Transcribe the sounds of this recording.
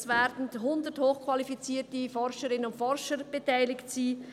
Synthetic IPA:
svɛɾdn̩thʊndəthoːχkʰvalifit͡siːtifɔɾʃəɾɪnənʊntfɔɾʃəɾb̥etaɪlɪktsiː

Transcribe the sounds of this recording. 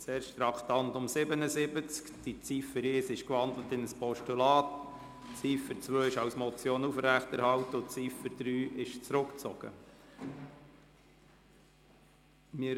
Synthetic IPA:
seːɾʃt̪ɾɑktɑnt̪ʊmsɪbənəzɪbət͡skd̥it͡sifəɾeːsɪʃkvɑnd̪lət̪ɪnəspɔʃtulɑːt | t͡siːfət͡sʋøːɪʃɑwsmɔt͡sjoːnufɾæχtɛɾhɑwtəʊt͡siːfəd̥ɾyːʔɪʃt͡sɾʊkt͡sɔ̰ɡ̥ə̰ | mɪ

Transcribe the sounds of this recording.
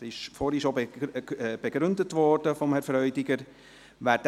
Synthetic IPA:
ɪʃfɔːɾiʃob | b̥eɡ̥ɾʏndətʋɔɾd̥əfɔmhɛɾfɾœʏdɪɡəɾ | ʋæːd

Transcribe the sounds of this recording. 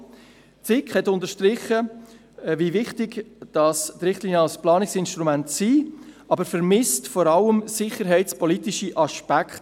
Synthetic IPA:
t͡sɪkχhɛtʊndəʃtɾɪχːə | vivɪχtɪɡd̥ɑstɾɪχtliːnjəɑlsplɑːnɪksɪnʃtɾumæntsiː | ɑbəɾfəɾmɪstfɔɾɑləmsɪχəɾɦɛɪtspɔlitɪʃiʔɑʃpækt

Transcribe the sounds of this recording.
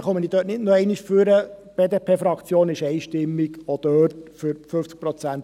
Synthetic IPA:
χœmənid̥̪øːtnɪdnoɛɪniʃfyɾəb̥eːd̪eːpʰeːfɾɑkt͡sjoːnɪʃɛɪʃtɪmːiɡɔd̥̪øːtfyɾføft͡sk̚pɾɔt͡sænt

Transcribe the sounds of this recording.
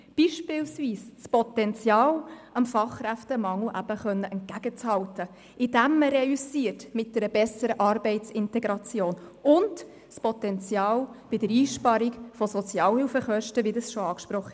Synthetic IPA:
b̥iːʃpɪlsviːsspɔtɛnt͡sjɑːlʔɑmfɑχkɾæftəmɑŋləʔæb̥əχœnːəʔɛnt̚ɡ̥æɡ̥ət͡shɑwtə | ʔɪd̥æmːəɾɛysiːəɾtmɪt̚d̥ɛɾəbɛsəɾəʔɑɾbɛɪtt͡sɪntɛɡɾɑt͡sjoːnʊnd | spɔtɛnt͡sjɑːlb̥ɪdəɾiːʃpɑɾikfɔsɔt͡sjɑːlhɪlfəχœʃtəʋidəsʃoɑːkʃpɾɔχːə

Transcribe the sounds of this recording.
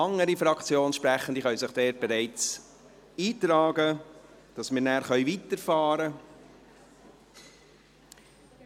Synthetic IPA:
ɑŋːəɾifɾɑkt͡sjoːnʃpɾæχən̩d̥̪iχœɥsəχd̥ɛːt̚bɛɾæɪt͡s | iːt̪ɾɑːɡə | d̥ɑsmɪːɾnæːɾχœʏvit̪əɾfɑːɾə

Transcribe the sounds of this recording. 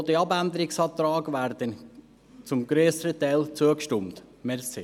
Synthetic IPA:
dəɑbænd̪əɾɪksɑːt̪ɾɑːɡʋæɾd̥ən | t͡sʊmɡɾøːsəɾətɛɪlt͡suəkʃtʏmtmɛɾse

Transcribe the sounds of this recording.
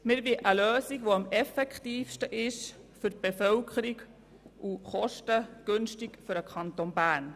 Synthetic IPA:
mɪɾvɪʔəløːsikʋoɑmɛfɛkχtiːfʃtəʔɪʃ | fʏɾ̚b̥efœwkʰəɾik | ʔuχɔʃtəɡ̥ønʃtikfʏɾəkʰɑnt̪onbæːn

